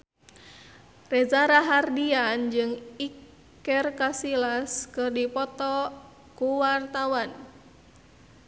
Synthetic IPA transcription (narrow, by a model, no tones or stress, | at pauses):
rezaɾaɦardiand͡ʒɨŋik | ɛrkasilaskɨrdipɔt̪ɔ | kuwart̪awan